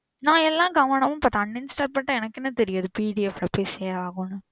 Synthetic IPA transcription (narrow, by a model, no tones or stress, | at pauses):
nãːɛlːãːɡɐʋɐnɐmʊ̃paːt̪ɐnːɪnsʈaːɾ̚pɐʈːɐ̃ɛnɐkːɛnːɐt̪ɛɾɪjaːðɯpiːɽiɛflɐpːoːseːɾʋaːɣõnːɯ